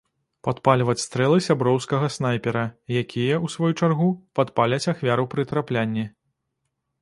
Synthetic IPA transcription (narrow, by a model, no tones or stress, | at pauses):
pat̪palʲvɐt͡sʲst̪ɾɛlˠɨsʲabɾɔwskɐɣɐsnajpʲɛɾɐjakʲijɐusvɔjut͡ʂarɣupat̪palʲɐt͡sʲaxvʲaɾupɾɨt̪ɾaplʲanʲːi